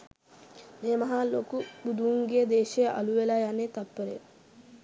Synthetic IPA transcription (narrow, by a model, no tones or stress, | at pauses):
meːmɐɦaːlokubud̪uuŋɡeːd̪eːʃejʔɐluʋelaːjanet̪ɐpːeɾḛ